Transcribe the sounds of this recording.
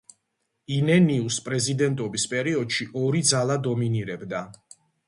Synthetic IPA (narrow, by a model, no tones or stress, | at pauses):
inɛniuspʼɾɛzid̪ɛnt̪ʼɔbispʼɛɾiɔd̪ʃiʔɔɾid̪zalˠad̪ɔminiɾɛbd̪a